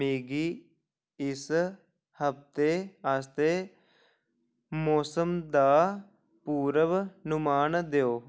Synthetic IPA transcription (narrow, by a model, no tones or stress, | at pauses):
miːɡiː | ɪs | həpt̪eːaːst̪eː | moːsəmd̪aː | puːɾəʋnʊmaːnd̪eoː